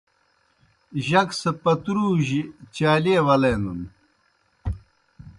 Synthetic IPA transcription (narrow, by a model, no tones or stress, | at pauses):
ʑɐksɐpɐt̪ɾuːʑit͡ɕaːlewɐleːnun